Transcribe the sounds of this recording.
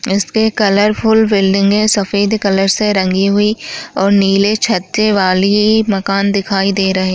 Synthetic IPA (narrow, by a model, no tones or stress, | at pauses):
ɪskekɐləɾpʰʊlbɪlɖɪ̃ŋɡmẽsɐfeːd̪kɐləɾseɾɐ̃ŋɡiɦʊiɔːɾniːlet͡ʃʰɐt̪ʃeʋaːlimɐkaːnd̪ɪkʰaːid̪eːɾɐɦe